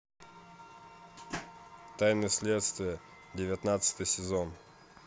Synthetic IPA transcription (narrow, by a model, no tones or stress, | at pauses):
t̪ajnɨjəsʲlʲet̪st̪vʲɪjə | dʲɪvʲɪt̪nat̪sɨ̥t̪ɨjsʲɪzon